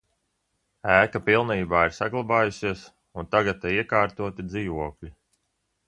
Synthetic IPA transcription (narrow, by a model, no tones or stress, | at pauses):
æːkapilˠniːbaːiɾsaɡlˠabaːjusiɛs | unt̪aɡat̪ːaiɛkaːɾt̪uɔt̪id̪ziːvuɔklʲi